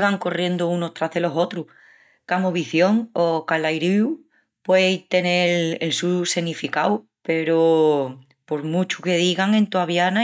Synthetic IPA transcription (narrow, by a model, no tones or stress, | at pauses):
ɣaŋko̞rje̞nd̪ounot̪ɾaɦðe̞lo̞so̞t̪ɾu | kamoβiθjo̞ŋokalajɾiu | pwejt̪e̞ne̞lḛlsuse̞nifikawpe̞ɾo | po̞ɾmut͡ʃuke̞ðiɣaŋẽ̞nt̪oaβjana